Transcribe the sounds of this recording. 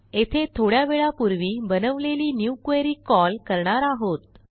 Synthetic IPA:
et̪ʰet̪ʰoɽjaʋeɭapuɾʋiːbənəʋleliːnjukʋeɾiːkɔlkəɾɳaɾaɦot̪̚

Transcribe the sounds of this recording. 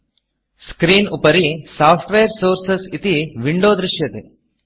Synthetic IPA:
skɾiːnupɐɾisaːpʰʈʋejɐɾsoːɾsɐsit̪iʋiɳɖoːd̪ɾɪʃjɐt̪e

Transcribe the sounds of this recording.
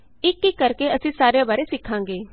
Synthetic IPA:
ɪkːikəɾkeəsĩːsaːɾeãbaːɾeːsɪkʰːãːŋɡeː

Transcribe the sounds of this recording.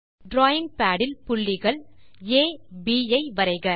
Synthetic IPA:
ɖɾoːjɪŋpaːɽɪlpʊɭːɪɣɐɭeːbiːɐɪʋɐɾɐɪɣɐ

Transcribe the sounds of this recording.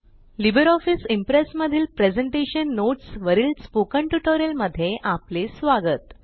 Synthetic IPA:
libəɾɔfisimpɾesməd̪ʱiːlpɾed͡zeɳʈeɕənːoʈsʋəɾiːlspukəɳʈjuʈoɾijəlməd̪ʱːjeʔaplesʋaɡət̪

